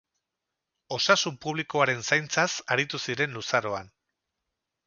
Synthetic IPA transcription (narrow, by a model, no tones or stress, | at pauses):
o̞sasumpuβliko̞aɾe̞nsajnt͡sasaɾit̪usiɾe̞nlusaɾoan